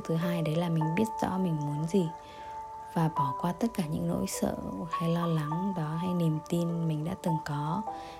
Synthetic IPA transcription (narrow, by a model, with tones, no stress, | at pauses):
t̪ʰɨ˨˦ɦaː˧jɗe˨˦laː˨˩mï˨˩ŋ̟ɓi˦˥ət̚z̥ɔ̰˧˥mï˨˩ŋ̟mu˨˦nzi˨˩ | vaː˨˩ɓɔ˧˩kwaː˧t̪ə˦˥t̚kaː˧˩ɲɨ̰˧˥ŋno̰˧˥jsə̰ː˧˨ha˧jlɔ˧la˨˦ŋɗɔ˨˦ɦa˧jne˨˩mt̪i˧nmï˨˩ŋ̟ɗa̰ː˧˥t̪ɨ˨˩ŋkɔ˨˦